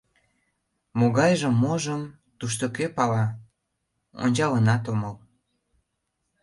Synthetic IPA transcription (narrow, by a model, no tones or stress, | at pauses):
moɣɑjʒəmːoʒəm | t̪uʃ̬t̪okepɑlɑ | o̰nʲt͡ɕɑlənɑt̪oməl